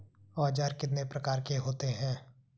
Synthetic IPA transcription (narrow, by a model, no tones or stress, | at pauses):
ɔːd͡ʒaːɾkɪt̪nepɾɐkaːɾkeɦoːt̪eɦɛ̃ː